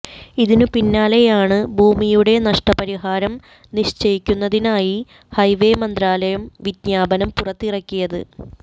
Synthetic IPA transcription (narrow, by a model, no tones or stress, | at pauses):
iðinɨpinːaːle̞jaːɳɨbʱuːmijuɽe̞nɐʂʈɐpɐɾiɦaːɾɐm | niɕt͡ɕɐjikʲːunːɐðinaːji | hɐjʋe̞ːmɐnd̪raːlɐjɐmʋid̪ɲaːbɐnɐmpurɐt̪ːirɐkʲːijɐðɨ̰